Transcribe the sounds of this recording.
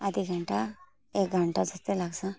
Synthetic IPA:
ad̪ʱiɡʱəɳʈa | ek̚ɡʱəɳʈad͡zəst̪elaɡsã

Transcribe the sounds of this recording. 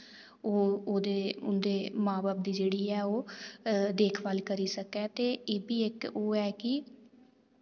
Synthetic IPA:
oːoːd̪eːʊnd̪eːmãːbaːb̚d̪iːd͡ʒeːɽiːɛːoː | d̪eːkʰʋaːlkəɾiːsəkɛːt̪eːeːbiːɪkoːɛːkɪ

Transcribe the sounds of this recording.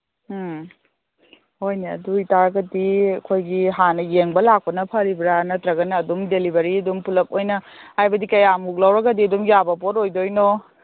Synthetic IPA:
ojneɐ̰duitaɾɡɐdiɐkʰojɡiɦanɐjeŋbɐlak̚pɐnɐpʰɐɾibɾanɐtɾɐɡɐnɐːdumdelibɐɾiɐdumpulɐk̚ojnɐhajbɐdikɐjamuk̚lɐwɾɐɡɐdiɐdumjabɐpotojdojno

